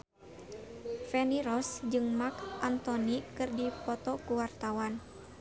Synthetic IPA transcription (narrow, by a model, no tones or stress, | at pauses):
fɛniɾɔsd͡ʒɨŋmakʔant̪ɔnikɨrdipɔt̪ɔkuwart̪awan